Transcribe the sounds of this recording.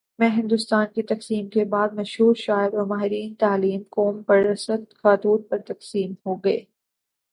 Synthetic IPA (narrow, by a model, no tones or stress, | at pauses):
mɛ̃ːɦɪ̃nd̪ʊst̪aːnkit̪ɐqsiːmkebaːd̪̚mɐʃɦuːɾʃaːɪbɔmaːɦɪɾiːnt̪aːliːmkoːmpɐɾɐsəd̪xaːt̪uːd̪̚pɐɾt̪ɐqsiːmhoɡɐḛː